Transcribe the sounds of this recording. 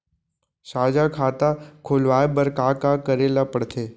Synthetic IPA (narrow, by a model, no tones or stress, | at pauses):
saːd͡ʒakʰaːt̪akʰoːlʋaːebəɾkakakəɾeːlapəɽt̪ʰeː